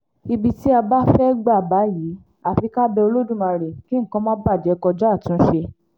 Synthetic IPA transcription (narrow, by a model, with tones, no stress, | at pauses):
i˧bi˧ti˦a˧ba˦fɛ˦ɡ͡ba˦˨ba˨˦jiː˨˦ | a˨fi˧ka˦bɛ˧o˧lo˦dũ˦mã˧ɾe˨ki˦ŋ̩˦˨kã˦mãː˦ba˦˨d͡ʒɛ˨˦kɔ˧d͡ʒa˦˨tũ˨˦ʃe˧